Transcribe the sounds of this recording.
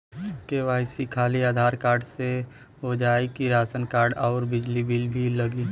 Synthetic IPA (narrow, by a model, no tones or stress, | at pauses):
keʋaːɪsikʰaːliaːd̪ʱaːɾkaːɾɖse | od͡ʒaːikiɾaːsənkaːɾɖɔːɾbɪd͡ʒlibʱilbʱilɐɡiː